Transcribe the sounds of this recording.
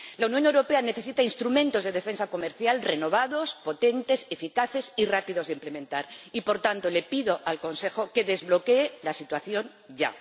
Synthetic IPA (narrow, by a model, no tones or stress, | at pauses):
launjonewɾopeane̞θe̞sit̪ainst̪ɾumẽ̞nt̪o̞zðe̞ðefe̞nsako̞meɾθjalre̞no̞β̞aðo̞spo̞t̪ent̪e̞sefikaθesirapiðo̞zðeimplemẽnt̪aɾipo̞ɾt̪ant̪o̞lepiðoʔalko̞nse̞xo̞ke̞ðe̞zβlo̞ke̞ːlasit̪waθjo̞n | ɟ͡ʝa̰